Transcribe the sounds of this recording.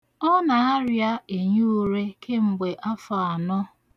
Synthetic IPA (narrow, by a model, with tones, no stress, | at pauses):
ɔ˦na˨a˦ɾja˦e˨ɲu˦u˦ɾe˦kʰe˦ŋ͡m̩˨ɡ͡be˨ʔa˦fa˨a˨nɔ˦